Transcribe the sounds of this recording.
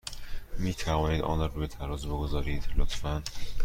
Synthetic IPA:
miːt̪ʰævɒːniːd̪ɒ̰ːnɒɾɒbet̪ʰæɾɒːzeboɡozɒːɾiːd̪lo̰t̪fæn

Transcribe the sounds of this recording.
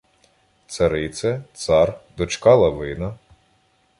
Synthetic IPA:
t̪sɐɾɪt̪sɛt̪sɑrd̪ɔt͡ʃkɑlˠɐʋɪnɐ

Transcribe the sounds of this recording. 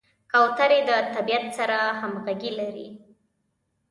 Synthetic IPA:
kawt̪aɾed̪ət̪abijat̪saɾahamɣaɡilaɾḭ

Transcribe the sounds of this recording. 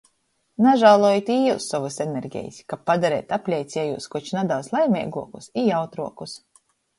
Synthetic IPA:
naʒawlˠuɔjit̪ʲiːusːɔvɨseneɾɡʲɛ̰ːjisʲkapːad̪aɾḛːt̪aplʲɛjt̪sʲiɛjṵːskut͡ʃnad̪awslˠajmʲɛ̰ːɡuɔkusijawt̪ɾuɔkus

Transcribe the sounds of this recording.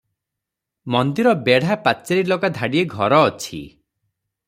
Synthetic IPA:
mɔnd̪iɾɔbeɽ̤apat͡ʃeɾilokad̪ʱaɽieɡʱɔɾɔːt͡ʃʰḭ

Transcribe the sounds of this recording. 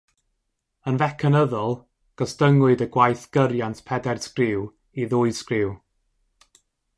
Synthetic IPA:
ənvɛkʰənəðɔlˠ | ɡ̥ɔsd̥əŋwʊɨdəɡwajθɡ̥əɾjantʰpʰɛdɛrskrɪw | iðʊɨskrɪw

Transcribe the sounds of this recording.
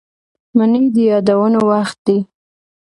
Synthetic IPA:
manid̪əjɑd̪awənowaxt̪̚d̪i

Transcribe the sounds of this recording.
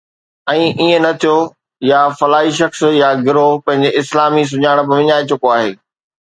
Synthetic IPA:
ɛ̃ːʔiə̃nɐt̪ʰijo | jafɐlaːiʃɐxsjaɡɪɾopɐ̃ɦɪ̃ɲ̆d͡ʑeɪslaːmis̬ʊɲaːɪɽ̃̆pɐʋɪɲaːet͡ɕʊkoaːɦeː

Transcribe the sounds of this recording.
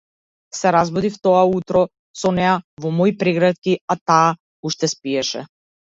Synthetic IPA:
sɛɾazbɔd̪ift̪ɔaut̪ɾɔ | sɔnɛjavɔmɔjpɾɛɡɾat̪̚kʲiat̪aː | uʃt̪ɛspiɛʃɛ̰

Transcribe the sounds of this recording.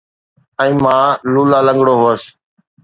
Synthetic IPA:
ɛ̃ĩːmãːluːlaːlə̃ŋɡɽoːɦoəs

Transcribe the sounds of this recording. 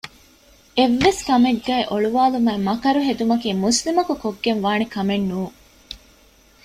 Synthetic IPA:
eʋːeskɐmeɡːæːʔoɭuʋaːlumæːmɐkɐɾuɦed̪umɐkiːmuslimɐkukoɡːenʋaːnikɐmenːuː

